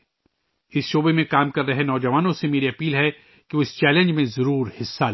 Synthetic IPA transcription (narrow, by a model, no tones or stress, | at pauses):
ɪsʃoːbemẽkaːmkɐɾːɐɦenɔːd͡ʒɐʋaːnõsemeːɾiɐpiːlɦɛ | keoɪst͡ʃɛːlə̃nd͡ʒmẽzɐɾuːɾhɪsːal